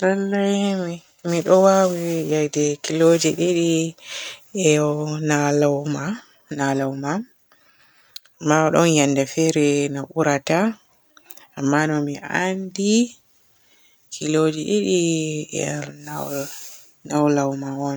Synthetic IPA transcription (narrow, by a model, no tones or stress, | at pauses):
nalːajmi | miɗɔwawijajdɛkilod͡ʒɛɗeɗi | ɛnalawma | nalawma | amːaɔɗɔnjandɛfɛɾɛnaʔuɾata | mːanɔmiʔandi | kʰilod͡ʒɛɗeɗiɛ̰na | nawlawmawɔn